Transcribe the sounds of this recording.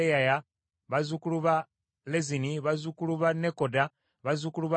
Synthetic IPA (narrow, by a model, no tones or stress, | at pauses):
ejaja | βazukuluβa | leziniβazukuluβanekoda | βazukuluβa